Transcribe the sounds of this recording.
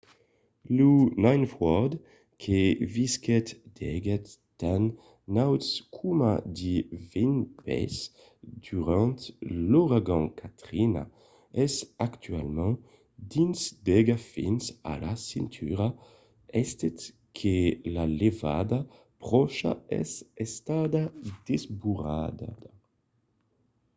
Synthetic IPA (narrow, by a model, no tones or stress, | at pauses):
lunajnfɔd̪ | kʰeviskɛt̪d̪̥ɛɡɛt̪ː | an | nawtskʰuma̰d̪ivinpɛ̰s | d̪̥yʁɑ̃t̪loʁaɡɑ̃kʰat̪χina̰ | ɛsakt̪ɥalmɑ̃ | d̪insd̪eɡafḭnsa̰lasĩnt̪ʰyʁa | ɛst̪et̪ | kʰelaleva̰d̪a | pʁɔʃa̰ɛ̰sɛst̪ad̪ad̪ezbuʁad̪ad̪a